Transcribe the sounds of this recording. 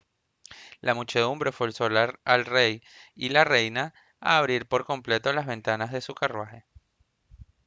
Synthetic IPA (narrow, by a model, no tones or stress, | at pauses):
lamut͡ʃe̞ðumbɾe̞fwolsolaɾalrejilare̞jna | aːβ̞ɾiɾpo̞ɾko̞mple̞t̪o̞lazβẽ̞nt̪anazðe̞sukarwaxe̞